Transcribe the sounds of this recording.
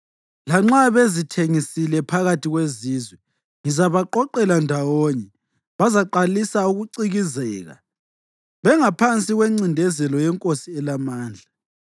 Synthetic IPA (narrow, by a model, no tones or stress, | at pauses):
laŋ͡ǁaβezitʰeŋisilɛpʰaɣatʰiɣweziːzwɛ | ŋizaβaǃɔǃɛlandʱawoɲɛ | βazaǃalisauɣuǀiɣizɛːɣa̰ | βɛŋapʰant͡sʼiɣweŋ͡ǀindʱɛzɛlɔjɛŋkʼosiɛlamaːnd͡ɮʱa